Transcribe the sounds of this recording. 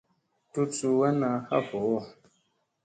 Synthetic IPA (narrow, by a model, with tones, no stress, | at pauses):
tu˦t͡su˨wɛ˦na˧˦ha̰˦˨fɔ˨wɔ˦˨